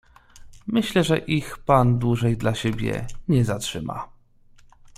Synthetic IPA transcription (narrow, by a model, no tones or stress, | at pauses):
mɘɕlɛʐɛʔixpand̪wuʐɛjd̪laɕebʲjɛ̰ɲɛzatʂɘ̰ma̰